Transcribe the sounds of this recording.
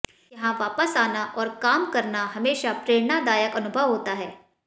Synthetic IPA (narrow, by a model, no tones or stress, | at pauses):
jɐɦãʋaːpəsaːnaʔɔːɾkaːmkɐɾnaɦɐmeːʃapɾeːɽnad̪aːjəkɐnʊbʱəʋɦoːt̪aɦɛː